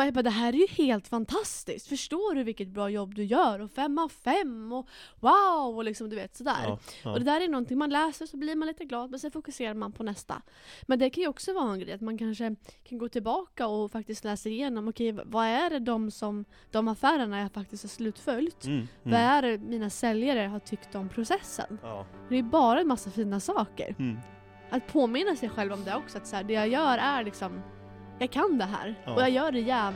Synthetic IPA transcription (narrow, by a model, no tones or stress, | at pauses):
bad̪ɛɦæːɾæɾjɵheːlt̪fant̪ʰast̪ɪ̰skt̪fœʂʈoːɾɵvɪlkːət̪̚bɾɑːjɔbːd̪ɵjœːɾɔfɛmːɔfɛmːɔwaʊɔlɪksɔmd̪ɵveːt̪sɔd̪æ̰ːɾɔd̪ɛd̪æːɾɛjnɔnt̪ɪŋmanlɛːsəɾsɔbliɾmanliːt̪əɡlɑːd̪̚mɛnsɛnfʊkɵseːɾaɾmanpʰɔnɛst̪a̰ | mɛnd̪ɛkʰanjɵɔksɔvɑːɾaɛnɡɾɛ̰jat̪mankʰanʂəkʰanɡoːt̪ʰɪlbɑːkaɔfak̚t̪ɪst̪lɛːsaɾɪjeːnɔmɔkʰɛjv̰vaæɖɛd̪ɔmsɔm | d̪̥ɔmafæːɾəɳajafak̚t̪ɪskt̪haɾʂslʉ̟ːt̪fœlt̪vaæɾmiːnasɛljaɾəɦaʈʰʏkt̪ɔmpʰɾʊsɛsːə̰nfɖ̪ɛjbɑːɾaɛnmasːafiːnasɑːkə̰ɾ | ʔat̪pʰoːmɪnːasɛjɧɛlvɔmd̪ɛɔksɔat̪sæːɖɛjaɡjœːɾæɾlɪksɔm | jɑːɡkʰand̪ɛɦæ̰ːɾɔjaːjœːɖɛjæː